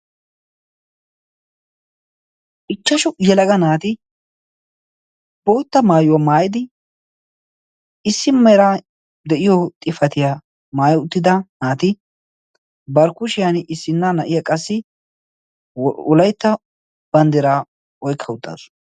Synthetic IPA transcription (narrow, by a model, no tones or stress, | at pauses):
ʔɪt͡ʃːɐʃʊjɛlɐɡɐnaːt̪ɪ | b̥o̞ːt̪ːɐmaːjʊwamaːjɪd̪ɪ | ɪsːɪmɛɾaː | d̪ɛʔɪjɔt̪ʼɪfɐt̪ɪja | maːjʊt̪ːɪd̪ɐnaːt̪ɪ | bɐɾkʊʃɪjanɪsːɪnːanɐʔɪjakʼɐsːɪ | ʊlɐjt̪ːɐ | b̥ɐnd̪ɛɾaː | ɔjkʰːɐʊt̪ʼːa̰ːs